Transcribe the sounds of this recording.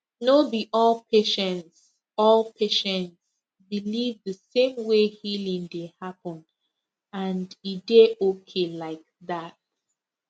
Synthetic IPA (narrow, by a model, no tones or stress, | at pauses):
nobiʔɔlpʰeʃɛ̃nts | ɔlˠpʰeʃɛ̃nts | bilivðəsẽmwehilĩŋdehapə̃n | ãndideokʰelaɪk̚ðat̚